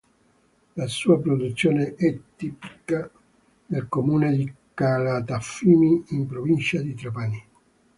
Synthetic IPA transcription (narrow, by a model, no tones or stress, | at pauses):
lasuːapɾod̪ut̪sːjoːneʔɛt̪ːipi̥ka | nelkomuːned̪ikalat̪afiːmiːmpɾovint͡ʃad̪it̪ɾapani